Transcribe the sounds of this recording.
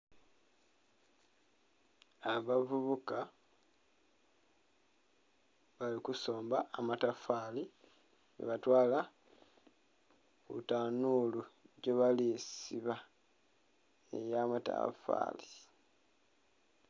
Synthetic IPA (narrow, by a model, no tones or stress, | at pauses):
βavuβuka | βalikuso̞ːmbaːmatafali | nḛβatwaːla | kṵtanuluɟoβalisiβa | ḛjamata̰fa̰ːli